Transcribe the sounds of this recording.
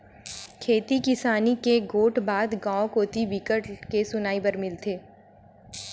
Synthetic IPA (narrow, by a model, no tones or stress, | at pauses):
kʰeːt̪ikɪsaːnikeɡoːʈbaːd̪ɡãːõkoːt̪ibikəʈkesʊnaːibəɾmɪlt̪ʰeː